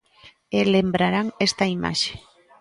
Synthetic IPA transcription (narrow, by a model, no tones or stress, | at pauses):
elembɾaɾaŋest̪aima̰ʃe̥